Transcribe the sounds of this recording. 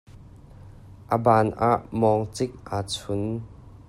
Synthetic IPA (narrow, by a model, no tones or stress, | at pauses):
ʔəbaːnʔaːʔmɔŋt͡sɪk̚ʔaːt͡sʰʊn